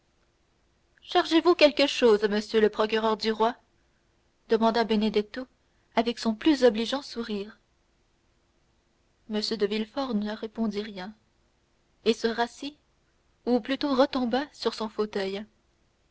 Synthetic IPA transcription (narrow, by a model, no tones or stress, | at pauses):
ʃaʁʒevukʲɛlkəʃoːzməsjøləpχɔkʲyʁœʁd̪yʁwa | d̪̥əmɑ̃d̪abened̪ɛt̪o | avɛksɔ̃plyzɔbliʒɑ̃suʁiːʁ | məsjød̪əvilfɔʁnəʁepɔ̃d̪iʁjɛ̃ | esəʁasi | uplyt̪oʁət̪ɔ̃basyʁsɔ̃fot̪œj